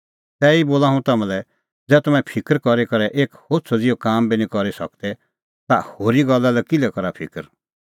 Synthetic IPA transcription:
t̪ɛːiboːlaɦũt̪ɐmɛ̃lɛ | d͡zɛːt̪ɐmɛ̃pʰɪkəɾkɔɾikɔɾɛʔeːkhoːtt͡sʰɔd͡zɪjokaːmbinĩkɔɾisɐ̰k̚d̪ɛ | t̪ahoːɾiɡɔlːalɛkɪlɛkɔɾapʰɪ̰kəɾ

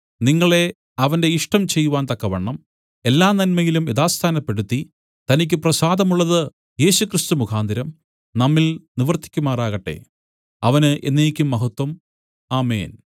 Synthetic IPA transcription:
niŋːɐɭe̞ | ɐʋɐnde̞iʂʈɐmt͡ɕe̞jːuʋaːnt̪ɐkːɐʋɐɳːɐm | e̞lːaːnɐnmɐjilumiðaːst̪ʰaːnɐpːe̞ɽut̪ːi | t̪ɐnikʲːɨprɐsaːd̪ɐmuɭːɐðɨ | je̞ːɕukrist̪umukʰaːnd̪ʱɐɾɐm | nɐmːilniʋɐrt̪ʰi̥kʲːumaːraːɣɐʈːe̞̰ | ɐʋɐnɨʔenːeːjikʲːumːɐɦɐt̪wɐm | aːmḛːn

